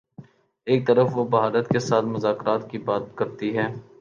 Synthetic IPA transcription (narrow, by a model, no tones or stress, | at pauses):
eːk̚t̪ɐɾəfʋobɐɦaːɾət̪kesaːt̪mʊzaːkɾaːt̪kibaːt̪̚kɐɾt̪iɦɛː